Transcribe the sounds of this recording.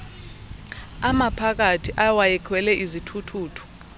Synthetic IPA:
amapʰak̬atʰiʔawajɛkʰwɛlɛʔizitʰutʰuːtʰu̥

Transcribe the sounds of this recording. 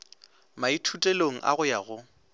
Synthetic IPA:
maitʰutʼeloŋ̩ʔa̰ɣʊjaɣʊ

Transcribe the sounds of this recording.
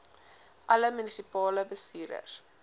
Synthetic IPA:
ʔɐləmynisipɑːləbəsiːɾə̰s

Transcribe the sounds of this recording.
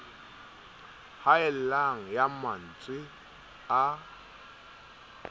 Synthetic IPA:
haɛl̩laŋ̩jaman̩t͡sʼwɪ | a

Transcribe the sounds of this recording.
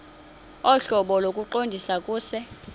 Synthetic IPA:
ɔɬɔɓɔlokʼuǃondʱisakʼuːsɛ

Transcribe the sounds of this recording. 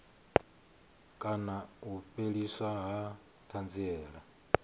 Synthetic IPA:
kʼanauɸʼeɺiswaɦa | t̪ʰand͡ziɛːɺa

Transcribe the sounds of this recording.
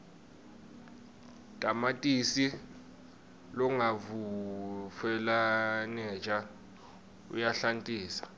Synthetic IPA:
tʼamatʼisi | lɔŋavu | fɛlanɛt͡ʃʼa | ṵjaɬantʼiːsḁ

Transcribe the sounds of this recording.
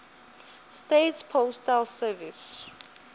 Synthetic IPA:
stetspʰostalsɛvis

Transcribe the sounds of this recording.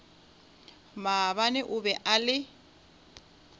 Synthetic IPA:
maβanɛʔʊbɛʔalɪ

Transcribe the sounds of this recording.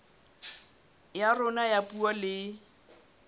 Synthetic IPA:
jarʊnajapualɪ

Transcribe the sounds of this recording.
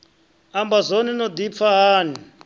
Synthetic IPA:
ambazoninɔd̪ip̪faɦaːni

